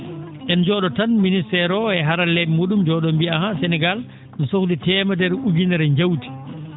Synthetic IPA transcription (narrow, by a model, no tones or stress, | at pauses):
ʔɛnd͡ʒɔɗɔtanministɛɾɔɛɦaɾalɛɓimoɗumd͡ʒɔɗɔmbiaɦasɛnɛɡal | nɔsokditɛːmadɛɾud͡ʒinɛɾɛɲd͡ʒawti̥